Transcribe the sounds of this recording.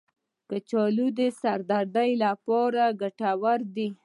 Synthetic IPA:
kət͡ʃɑlud̪esaɾd̪aɾd̪ajlapɑɾaɡaʈawaɾd̪i

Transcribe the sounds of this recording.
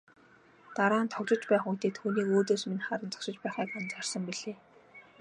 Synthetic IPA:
t̪aɾaːnt̪ʰɔɣʲɮɞ̆t͡ɕpæːχujt̪ʰeːt̪ʰuːniːkoːt̪eːsminχaɾə̆nt͡sɔ̥kʃɪ̆t͡ɕpæːχæːkant͡ɕ̪arsə̆mpiɮeː

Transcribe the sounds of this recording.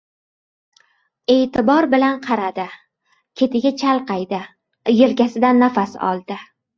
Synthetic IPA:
e̞ːt̪ʰɪbɒɾbɪlanqʰɑɾad̪ɪ | kʲʰe̞t̪ʰɪɡʲat͡ʃʰalˠqɑjd̪ɪ | jelkʲasɪd̪anːafasɒ̰lˠd̪ɪ

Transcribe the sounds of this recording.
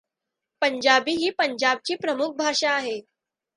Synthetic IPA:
pəɲd͡ʑabiːɦiːpəɲd͡ʑab̚t͡ɕiːpɾəmuk̚ʰbʱaʂaːɦe

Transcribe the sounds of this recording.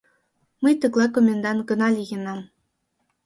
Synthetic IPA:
məjt̪ɤklˠɑkomʲend̪ɑnɡɤ̆nɑlʲiɣenɑm

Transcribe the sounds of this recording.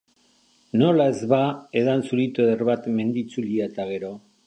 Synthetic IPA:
no̞lae̞zβae̞ðansuɾit̪oðerβat̪me̞nd̪it͡suliaet̪aɣ̞e̞ɾo̞

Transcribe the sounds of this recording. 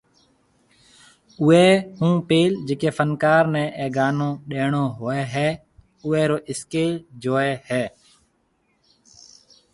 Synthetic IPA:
ʊeːhũːpeːld͡ʒeːkeːfʰənkaːɾnɛ̃ːʔeːɡaːnõːɗeːɳoːɦoːeːɦɛː | ʊːeːɾoːʔɪskeːld͡ʒoːeːhɛː

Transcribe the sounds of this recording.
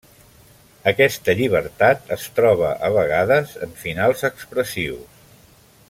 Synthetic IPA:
əkɛst̪əʎiβ̞əɾt̪at̪əst̪ɾɔβə̰ʔəβəɣaðəzəɱfinalˠzəkspɾəsiws

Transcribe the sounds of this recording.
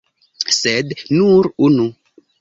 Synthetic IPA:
sednuɾunu

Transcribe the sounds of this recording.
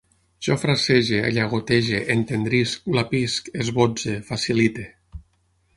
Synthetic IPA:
ʒ̥ɔfɾaseʒea̰ʎaɣ̞ot̪eʒeʔent̪end̪ɾisklapiskezβod͡ʒefasilit̪e

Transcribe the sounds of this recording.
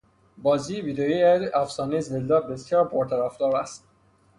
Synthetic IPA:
bɒːziːviːd̪ejiæzæfsɒːnezeld̪ɒːbesjɒːɾpʰoɾt̪ʰæɾæfd̪ɒːɾæst̪

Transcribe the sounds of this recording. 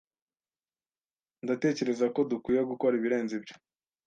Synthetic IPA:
ndate̞ːce̞ɾe̞zako̞dukwiːjeɡuko̞ɾiβiɾe̞ːnzibjo̥

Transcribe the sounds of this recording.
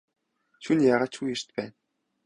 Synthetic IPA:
ɕunjaːʁaːt͡ɕxujɘ̆r̥t̪pæːn

